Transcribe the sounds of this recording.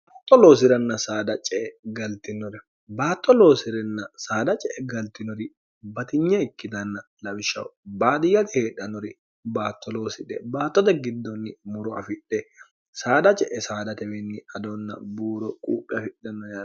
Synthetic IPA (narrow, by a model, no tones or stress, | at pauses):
baːt̪ʼːɔloːsɪɾɐnːɐsaːd̪ɐt͡ʃʼɛʔɛɡɐlt̪ɪnːɔɾɛ | baːt̪ʼːɔloːsɪɾɛnːɐsaːd̪ɐt͡ʃʼɛʔɛɡɐlt̪ɪnɔɾɪ | bɐt̪ɪɲːɐɪkːɪd̪ɐnːɐlɐwɪʃɐ̰wbaːd̪ɪjɐt̪ɪheːᶑɐnɔɾɪ | baːt̪ːɔloːsɪᶑɛbaːt̪ːɔt̪ɐɡɪd̪ːɔnːɪmʊɾɔɐ̰fɪᶑɛ | saːd̪ɐt͡ʃʼɛʔɛsaːd̪ɐt̪ɛwɛnːɪɐd̪onːɐ̰buːɾɔkʼuːpʼːɪɐfɪɗːɐnɔ